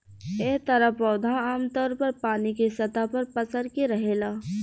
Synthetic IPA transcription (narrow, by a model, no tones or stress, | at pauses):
et̪ɐɾapɔːd̪ʱaaːmt̪ɔːɾpɐɾpaːnikesɐt̪apɐɾpɐsəɾkiɾɐɦeːlaː